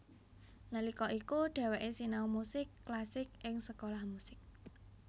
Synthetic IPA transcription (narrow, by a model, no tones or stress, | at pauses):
nəlikɔʔikuɖ̥ɛ̤wɛʔesinaumusɪkːlasɪk̚ʔɪŋsəkolahmusɪk̚